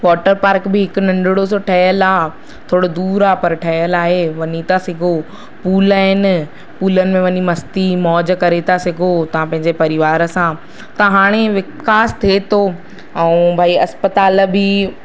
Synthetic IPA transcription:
ʋɔːʈəɾpaːɾkbɪɦɪkʊnɐ̃ɳɖɪɽosoʈʰɐɦjəlaː | t̪ʰoːɽod̪uːɾaːpɐɾʈʰɐɦəlaːɦeʋɐɲit̪ʰasɪɡʱo | puːlaːɦɪnɪ̆ | puːlənɪ̆mẽʋɐɲimɐst̪imɔːd͡ʑkɐɾet̪ʰasɪɡʱot̪ɐʋ̤ãpɐ̃ɦɪ̃ɲd͡ʑepɐɾɪʋaːɾə̆sã | t̪ɐɦaːɽ̃eʋɪkaːst̪ʰet̪ʰo | ɛ̃ũbʱaːiɐspət̪aːlbi

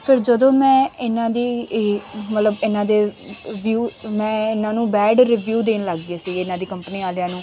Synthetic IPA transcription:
pʰɪɾd͡ʒəd̪õːmɛ̃ːɪnãːd̪iː | mət̪ləbɪnãːd̪eː | ʋjuːmɛ̃ːɪnãːnũːbɛːɖɾiːʋjuːd̪eːnləɡɡeːsiːɪnãːd̪iːkəmpniːaːljãːnũː

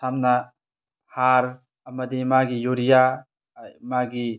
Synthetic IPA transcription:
samna | haɾ | ɐmɐd̪emaɡijoɾija | maɡi

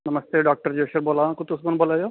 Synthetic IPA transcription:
nɐməst̪eɖaːk̚ʈəɾd͡ʑoːʃuɾboːlaʋãkʊt̪usɡonboːlajoː

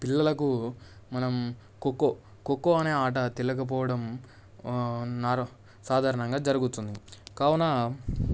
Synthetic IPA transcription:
pilːɐlɐku | mɐnɐm | kokːo | kokːoɐne̞ːaːʈ̬ɐt̪ilɐkɐp̬ɔːʋɐɽɐm | naːɾɐ | saːd̪ʱaːɾɐɳɐŋɡaːd͡ʒɐɾuɡut̪und̪ikaːwɐnɐ

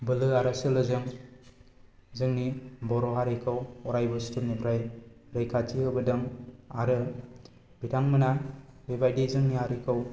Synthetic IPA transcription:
bɯlɯaɾasɯlɯzɯŋ | zɯŋnibɔɾɔɦaɾekʰɯwɔɾajbɯstunnipʰɾajɾejkʰatiɯbɯdɯŋaɾɯ | bitʰaŋmɯnabebajdizɯŋniaɾekʰɯw

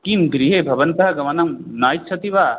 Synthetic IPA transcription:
kimɡɾiɦeːbʱɐʋɐnt̪ɐɦɐɡɐmɐnɐmnaːjitːt͡ʃʰɐt̪iʋaː

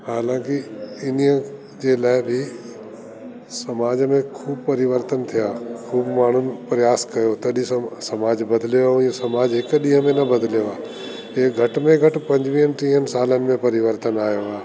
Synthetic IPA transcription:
haːlãːkiɪniə̃ | d͡ʑeːlaːɪbʱɪ | sɐmaːd͡ʑmẽkʰuːbpɐɾɪʋəɾt̪ənt̪ʰijaːkʰuːbmaːɳ̤ʊnɪ̆pɾɐjaːskɐjot̪ɐɗisɐmaːd͡ʑbɐd̪ʱljoaʊ̃jə̃sɐmaːd͡ʒɦɪkɗĩɦə̃mẽnɐbɐd̪ʱljoaː | eːɡʱɐʈmẽɡʱɐʈpɐ̃ɲd͡ʑʋiːənɪʈĩːɦənɪ̆saːlənɪ̆mẽpɐɾɪʋəɾt̪ənaːjoaː

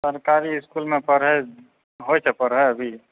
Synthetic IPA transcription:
səɾkaɾiɪskulmẽpəɾɦə | ɦojt͡ʃʰɛpəɾɦəəbʱi

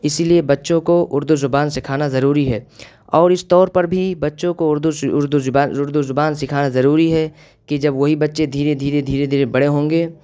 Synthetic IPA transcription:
ɪsiliebɐtːʃõkoʔʊɾd̪uzʊbaːnsɪkʰaːnazɐɾuːɾiɦɛː | ɔːɾɪst̪ɔːɾpɐɾbʱibɐtːʃõkoʊɾd̪uʊɾd̪uaːʊɾd̪uzʊbaːnsɪkʰaːnazɐɾuːɾiɦɛ | kid͡ʒɐbʋɐɦibɐtːʃed̪ʱiːɾed̪ʱiːɾed̪ʱiːɾed̪ʱiːɾebɐɽ̤eɦõːŋɡeː

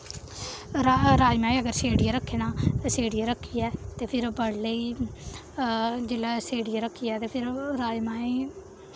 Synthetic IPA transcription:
ɾaɾaːimaːĩːəɡəɾseːɽijaːɾəkʰːeːnãːseːɽiaːɾəkʰːiːɛːt̪eːpʰɪɾbəɽləiː | d͡ʒɪlaːseːɽijaːɾəkʰːiːɛːt̪eːpʰɪɾɾaːimaːĩː

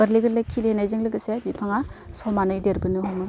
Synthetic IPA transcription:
əɾliɡɯɾlɯkʰilhenajzɯŋlɯɡɯsebipʰaŋasɔmanɯjdeɾɡɯnɯɦɔŋɯ

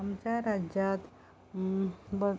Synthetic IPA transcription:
amt͡ɕjaɾad͡ʑjat̪ | bə

